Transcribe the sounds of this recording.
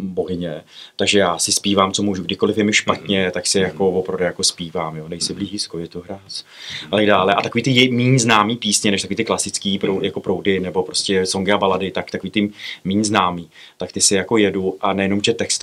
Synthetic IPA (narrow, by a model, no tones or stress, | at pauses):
boɦɪɲɛt̪aɡʒɛjaːsɪspiːvaːmt͡so̞muːʒuɡdɪko̞lɪfjɛmɪʃpat̪ɲɛt̪aksɪjako̞vopɾɾavdɛjako̞spiːvaːmjoːnɛjsɪbliːʒiskojɛt̪oɦɾaːt͡sat̪aɡdaːlɛʔat̪ako̞viːt̪ɪjɛmiːɲznaːmiːpiːsɲɛnɛʃt̪akoviːt̪ɪklasɪt͡skiːpɾojakopɾowdɪnɛbo̞pɾo̞scɛso̞ŋɡɪabaladɪt̪akt̪ako̞viːt̪ɪmiːɲznaːmiː | t̪akt̪ɪsɪjako̞jɛduʔanɛjɛno̞mʒɛt̪ɛkst̪